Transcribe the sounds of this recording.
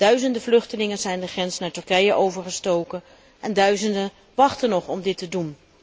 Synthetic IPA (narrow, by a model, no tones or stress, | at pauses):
d̥œɥzəndəvlɵχtəlɪŋənzɛjndəχrɛnsnaːɹtɵrkɛjəʔowvəɹχəstowkən | ʔɛndœɥzəndə | ʋɑχtənɔχɔmdɪtədun